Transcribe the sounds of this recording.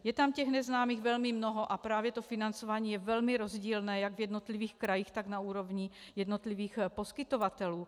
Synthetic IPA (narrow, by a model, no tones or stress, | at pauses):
jɛt̪amcɛɣnɛznaːmiːɣvɛlmimnoɦoʔapɾaːvjɛt̪ofinant͡sovaːɲiːjɛvɛlmiɾozɟiːlnɛːjaɡvjɛd̪not̪liviːxkɾajixt̪aɡnauːɾovɲi | jɛd̪not̪liviːxposkɪt̪ovat̪ɛluː